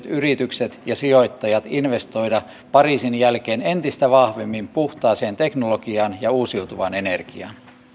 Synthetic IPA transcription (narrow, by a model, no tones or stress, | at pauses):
t̪yrit̪ykset̪jɑsio̞jt̪ːɑjɑt̪inʋe̞st̪o̞jdɑ | pɑriːsinjælke̞ːne̞nt̪ist̪æʋɑhʋe̞mːimpuht̪ɑːseːnt̪e̞knolokiɑːnjɑuːsiwt̪uʋɑne̞ne̞rkiɑ̰ːn